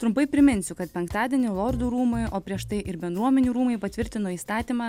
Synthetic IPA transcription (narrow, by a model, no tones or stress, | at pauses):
t̪ɾʊmpɐɪpʲɾʲɪmʲɪnʲsʲʊkɐt̪̚pʲɛŋkt̪ɑːd̪ʲiɛnʲɪlˠoːɾd̪uːɾuːmʊjoːpʲɾʲiɛʃt̪ɐɪʔɪɾbʲɛnd̪ɾuɔmʲɛnʲuːɾuːmɐɪpɐt̪ʲʋʲɪɾʲt̪ʲɪnoːiːst̪ɑːt̪ʲiːmɑː